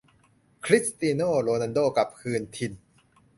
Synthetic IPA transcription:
kʰɾi˦˥st̪iː˧noː˥˩ɾoː˧na˧ndoː˥˩ka˨˩p̚kʰɯː˧nt̪ʰi˧n

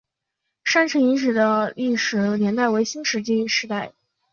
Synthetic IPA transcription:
ʂa˥nʈ͡ʂʰɤ˧˥ŋi˧˥ʂ̬ɻ̩˨˩d̪ə˦li˥˩ʂɻ̩˨˩njɛ˧˥nt̪a˥˩ɪwe˧˥ɪɕi˥nʂɻ̩˧˥t͡ɕi˥y˧˥ʂɻ̩˧˥t̪a˥˩ɪ

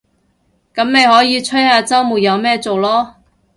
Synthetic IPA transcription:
kɐ˨˥mme˨˧jɦɔː˨˥jiː˧t͡sʰɵ˥jhaː˨˧t͡sɐ˥wmuː˨˩jɐ˨˧wmɛː˥t͡so˨wlɔː˥

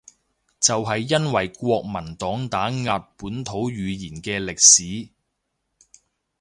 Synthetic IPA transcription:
t͡sɐ˨wɦɐ˨jːɐ˥nwɐ˨˩jkʷɔː˧k̚mɐ˨˩nt̪ɔː˨˥ŋt̪aː˨˥ŋaː˨t̚puː˨˥nt̪ʰo˨˥wɥyː˨˧jiː˨˩nkɛː˧lɪ˨k̚siː˨˥

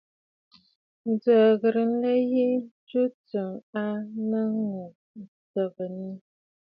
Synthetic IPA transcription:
n̩˨˦d͡zə˨ɣə˨ɾə˨n̩˦lə˦je˦t͡ʃu˦t͡sə˨ŋa˦nə˦ŋu˨ | n̩˨t͡sə˨bə˨ni˦

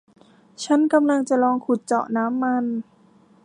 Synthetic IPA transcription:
t͡ɕʰa˦˥nka˧mla˧ŋt͡ɕa˨˩lɔː˧ŋkʰu˨˩t̪̚t͡ɕɔ̰˨˩ʔnaː˦˥mːa˧n

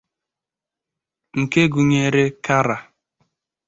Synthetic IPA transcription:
ŋ̩˨ke˦ɡu˨ɲe˦˨ɾe˦ka˦ɾa˨

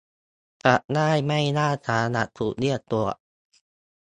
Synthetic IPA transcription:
ka˨˩ʔnaː˥˩jma˥˩jnaː˥˩t̪ʰaː˨˦na˧˩t̪ʰːuː˨˩k̚ni˥˩ət̪u˧˩ɐ

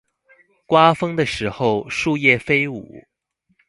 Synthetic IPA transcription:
kwa˥fɤ˥ŋd̪ə˨ʂɻ̩˧˥xo˥˧ʊʂu˥˧jɛ˥˩fe˥ɪṵ˨˩˦

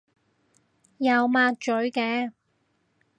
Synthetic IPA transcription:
jɐ˨˧wmaː˧k̚t͡ʃɵ˨˥ɥkɛː˧

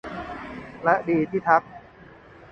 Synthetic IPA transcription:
lɛ˦˥ʔdiː˨˩t̪ʰiː˥˩t̪ʰa˦˥k̚

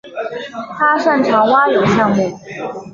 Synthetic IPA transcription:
t̪ʰa˥ʂa˥˩nʈ͡ʂʰɑ˧˥ŋwa˥jo˨˩ɕjɑ˥˧ŋmjɛ˥˨n

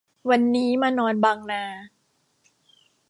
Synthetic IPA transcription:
wa˧nːiː˦˥maː˧nɔː˧nbaː˧ŋnaː˧

